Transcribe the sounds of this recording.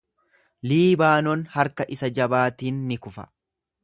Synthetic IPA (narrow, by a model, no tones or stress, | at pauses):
liːbaːnɔnhɐɾkɐʔɪsɐd͡ʒɐbaːt̪iːnːɪkʊfɐ̥̰